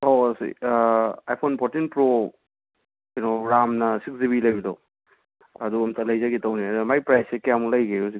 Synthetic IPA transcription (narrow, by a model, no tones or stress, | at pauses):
osḭ | ajpʰonpʰoɾtinpɾo | inoɾamnɐsiksdiβilɐjbido | ɐduɐmtʰɐlɐjzaɡitɐwniɐmajpɾajsekijamulɐjɡeus̬i